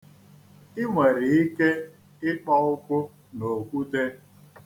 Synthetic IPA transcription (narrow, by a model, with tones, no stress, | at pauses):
ɪ˦ŋʷe˨ɾi˨i˦ke˦ | ɪ˦k͡pɔ˦ʊ˦kʷʊ˦ | no˨kʷu˦te˦